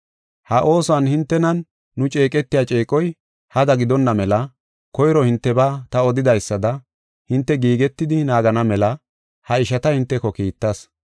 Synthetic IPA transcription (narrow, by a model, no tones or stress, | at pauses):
hɐʔo̞ːsanhɪnt̪ːɛnɐnː | ʊt͡ʃʼe̞ːkʼɛt̪ːɪjaːt͡ʃʼe̞ːkʼɔj | hɐd̪ɐɡɪd̪ɔnːɐmɛlɐ | kɔjɾɔhɪnt̪ːɛbaːt̪ɐɔd̪ɪd̪ɐjsːɐd̪ɐ | hɪnt̪ːɛɡiːɡɛt̪ːɪd̪ɪnaːɡɐnɐmɛlɐ | hɐɪʃɐt̪ɐhɪnt̪ːɛkɔkiːt̪ːɐs